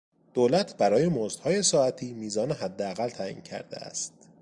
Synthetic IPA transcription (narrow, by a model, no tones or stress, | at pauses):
d̪̥oːlæt̪ʰbæɾɒːje̞mozd̪̥hɒːje̞sɒːæt̪ʰiːmiːzɒːneɦæd̪ːeæɣælt̪ʰæʔḭːncʰæ̰ɾd̪ḛæ̰st̪̚